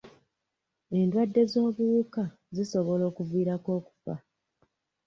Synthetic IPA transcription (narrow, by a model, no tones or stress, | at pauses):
e̞ndwadːe̞zo̞ːβuka | ziso̞βo̞lo̞ːkuviːɾako̞ːku̥fa̰